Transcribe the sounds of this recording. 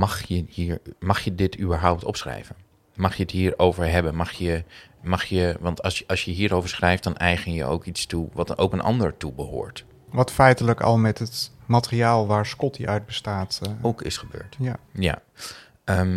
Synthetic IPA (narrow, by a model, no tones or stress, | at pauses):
mɑχjəhiːɹmɑχjədɪtʰybəɹɦɔwp̚tɔpsχrɛ̰jvən | mɑχjəətɦiːɹowvəɹɦɛbənmɑχjə | mɑχjəʋɑntɑsɑlˠsjəɦiːɹowvəɹsχrɛjft̚d̥ɑnʔɛjχənjə̰o̰wkitstuʋɑtʔo̰wkənʔɑ̰ndəɹtubəɦo̰ːɹt | ʋɑtfɛjtələkɑ̰lˠmɛtɦətmatəriaːlˠʋaːɹskɔtiʔœɥd̚bəstaːtowkɪsχəbø̰ːɹtja̰ | əm